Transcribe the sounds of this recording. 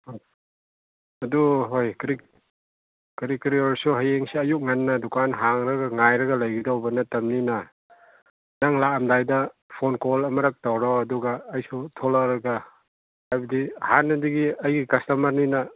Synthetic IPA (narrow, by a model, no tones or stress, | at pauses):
ɐduɦojkɾi | kɾikɾiɔɾsuɦajeŋsiɐjuk̚ŋanːɐdukanɦaŋɾɐɡɐŋajɾɐɡɐlɐjɡidowbɐnɐtɐmninɐ | naŋlaɐmdajdɐpʰonkɔlɐmɐɾɐk̚tawɾɔɐduɡɐːjsutʰolakɾɐɡɐ | ajbɐdihanːɐdiɡiɐjɡikɐstɐmɐɾninɐ